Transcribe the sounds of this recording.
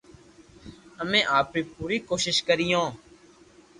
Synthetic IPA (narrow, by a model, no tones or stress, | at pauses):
əmẽːʔaːpɾiːpuːɾiːkoːʃɪʃkəɾijõː